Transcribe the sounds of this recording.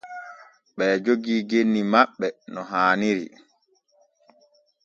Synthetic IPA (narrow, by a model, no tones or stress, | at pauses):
ɓɛːd͡ʒoɡiːɡenːimaɓːɛnɔɦaːniɾḭ